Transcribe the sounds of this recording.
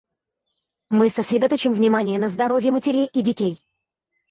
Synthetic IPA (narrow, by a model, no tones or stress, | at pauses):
mɨsəsɾʲɪd̪ɐt̪ot͡ɕɪmvnʲɪmanʲɪjənəzd̪ɐɾo̞vʲjəmətʲɪɾʲejʔidʲɪtʲej